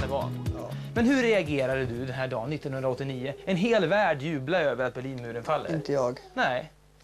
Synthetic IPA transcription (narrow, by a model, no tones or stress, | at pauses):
d̪əvɑ̰ːn | mɛnhɵɾɛaɡeːɾad̪əd̪ɵd̪ɛnɦæːɖɑːnːɪt̪ːɔnhɵnd̪ɾaɔt̪ːɪniːʊɛnɦeːlvæːɖjʉ̟ːblaøːvəɾat̪̚bɛɭiːnmʉ̟ːɾənfalːəɪnt̪əjɑːɡnɛɪ